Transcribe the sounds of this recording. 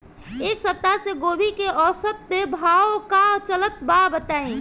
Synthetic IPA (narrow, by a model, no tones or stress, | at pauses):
eksəp̚t̪ːaseɡobʱikeɔsət̪̚ːebʱawkat͡ʃələt̪babət̪aĩ